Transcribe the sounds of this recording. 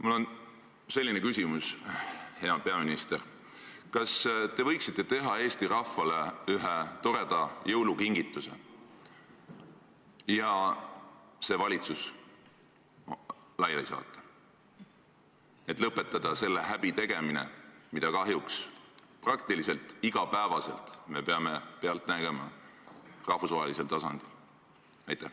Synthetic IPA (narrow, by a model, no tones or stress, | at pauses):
mulːo̞n | se̞lʲːine̞kysʲimushe̞ɑpe̞ɑminist̪er | kɑst̪e̞vɤjksit̪ˑːe̞t̪e̞ɦɑe̞ːst̪iɾɑfːɑleyɦet̪o̞ɾe̞d̪̥ɑjɤwlukiŋɡ̥it̪ːˑuse̞̰ | jɑ | se̞vɑlʲit̪sus | lɑjejsɑ̰ːt̪ˑːɑ̥ | e̞t̪ːˑlɤpːˑe̞t̪ːˑɑd̪̥ɑse̞lːe̞ɦæb̥it̪e̞ɡ̥e̞minḛmid̪̥ɑkɑɦjuksprɑk̚t̪ilise̞lt̪ˑiɡ̥ɑpæevɑse̞̰lt̪me̞peɑme̞peɑlt̪ˑnæɡ̥e̞mɑ̰ | rɑhfusvɑɦelise̞lt̪ɑsɑ̰nd̪̥il | ɑjt̪ːˑæh